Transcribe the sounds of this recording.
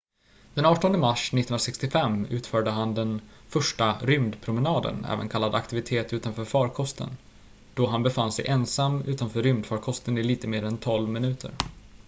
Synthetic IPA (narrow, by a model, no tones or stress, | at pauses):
d̪ɛnɑːʈɔnd̪əmaʂnɪt̪ːh̪nɾasɛkst̪ɪfɛmːʉ̟ːt̪fœːɖəɦand̪ɛn | fœʂʈaɾʏmd̪pʰɾʊmɛnɑːd̪ə̰nɛ̰ːvə̰nkʰalːad̪a̰kt̪ɪvɪt̪ʰeːt̪ʉ̟ːt̪anfœːɾfɑːɾkʰɔst̪ʰə̰n | d̪̥ɔɦanbɛfanːsɛ̰jʔɛnsamːʉ̟ːt̪anfœːɾʏmd̪fɑːɾkʰɔst̪ənɪliːt̪əmeːɾɛnt̪ʰɔlvmɪnʉ̟ːt̪ʰə̰ɾ